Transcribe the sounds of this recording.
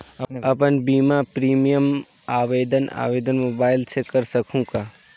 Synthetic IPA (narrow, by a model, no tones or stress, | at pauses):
ɐpənbiːmapɾiːmijəm | aːʋeːd̪əna̰ːʋeːd̪ənmoːbaːɪlt͡ʃʰekəɾsəkʰũkaː